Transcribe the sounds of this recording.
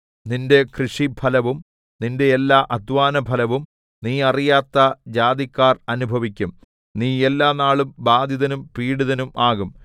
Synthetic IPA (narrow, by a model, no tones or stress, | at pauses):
ninde̞krɨʂibʱɐlɐʋum | ninde̞ːlːaːʔɐd̪ʋaːnɐbʱɐlɐʋum | niːɐrijaːt̪ːɐd͡ʑaːd̪ikːaːrɐnubʱɐʋikʲːum | niːelːaːnaːɭumbaːd̪ʱjiðɐnumpiːɽuðɐnumʔaːɣum